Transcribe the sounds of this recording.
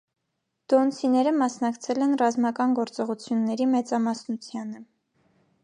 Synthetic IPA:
d̪̥ɔnsʰinɛɾəmɑsnɑkt͡sʰɛlɛnrɑzmɑkɑnɡɔɾt͡sɔʁut͡sʰjunːɛɾimɛt͡sɑmɑsnut͡sʰjɑnə

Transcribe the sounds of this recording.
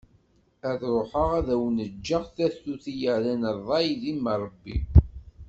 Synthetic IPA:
æðɾˤoħəʁæðæwnəd͡ʒːəʁθæθːuθijəʕlænəɾˤɑjðimːəɾˤəbːḭ

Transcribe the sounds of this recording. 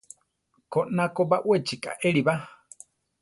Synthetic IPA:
konakobaʔwet͡ʃikʼa̰ʔeɺiba

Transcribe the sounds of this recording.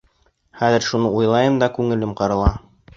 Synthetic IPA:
χæðɘ̆ɾʃunɤujlˠɑjɤmd̪ɑkʉŋɘ̆lɘmqɑɾɤ̆lˠɑ

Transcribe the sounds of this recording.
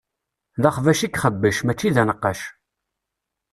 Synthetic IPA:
ðɑχvæʃikχəbːəʃmæt͡ʃːiðænəqːɑʃ

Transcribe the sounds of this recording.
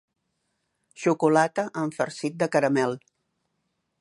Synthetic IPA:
ʃukulat̪əʔəɱfəɾsit̪̚d̪əkəɾəmɛlˠ

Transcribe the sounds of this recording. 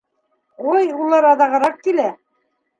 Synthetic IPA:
ojulˠɑɾɑðɑʁɤ̆ɾɑq̚kilæ

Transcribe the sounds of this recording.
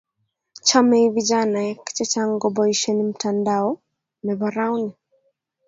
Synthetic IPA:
t͡ʃamɛivid͡ʒanajaki̥t͡ʃɛt͡ʃaŋɡɔbɔiʃɛnim̩tandaɔ | mɛbaɾawni

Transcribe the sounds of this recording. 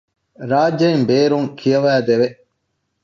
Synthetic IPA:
ɾaːd͡ʒːɐimbeːɾuŋkʰijɐʋæːd̪eʋe

